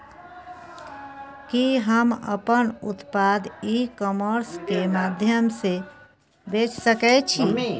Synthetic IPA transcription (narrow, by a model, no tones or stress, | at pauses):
kiɦəmə̰pənut̪pad̪ikɔməɾskemad̪ʱjəmse | bet͡ʃsəkɛt͡ʃʰi